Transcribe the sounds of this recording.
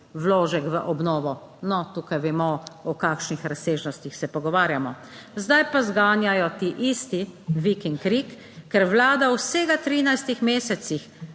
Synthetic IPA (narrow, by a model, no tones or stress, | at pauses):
wloːʒɛkʋəʔɔbnɔːʋɔ | nɔt̪uːkajʋɛmɔɔkakʃnixɾaseːʒnɔst̪ixsɛpɔɡɔʋaːɾjamɔ | zd̪ajpazɡaːnjajɔt̪iʔist̪iʋikiŋkɾikː | ɛɾʋlaːd̪awseːɡat̪ɾiːnajst̪ixmeːsɛt̪six